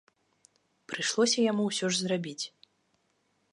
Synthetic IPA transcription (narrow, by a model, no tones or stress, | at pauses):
pɾɨʂlˠɔsʲɐjamuwsʲɔʐzrabʲit͡sʲ